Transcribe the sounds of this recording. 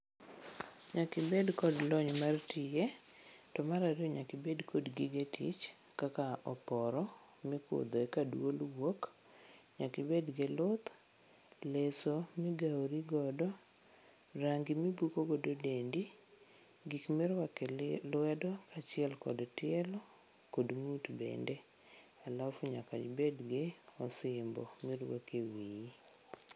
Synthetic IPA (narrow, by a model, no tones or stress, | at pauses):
ɲakɪbedkɔdlɔɲmartɪjetɔmaɾaɾjoɲakɪbedkʰodɡiɡetʰḭt͡ʃ | kakaɔpɔɾɔ | mɪkʊ̰d̪ɔekadwolwok | ɲakɪbedɡelʊt̪ | lesomɪɡaoɾiɡɔdɔ | ɾaŋɡimibukoɡododendi | ɡikmɪɾakɛlwɛdɔkat͡ʃɪɛlkɔ̰dɔtɪɛlɔ | kodmutbɛ̰ndɛ | alafuɲaka̰d͡ʒbedɡeɔsɪmbɔ̰mɪɾwo̰kewii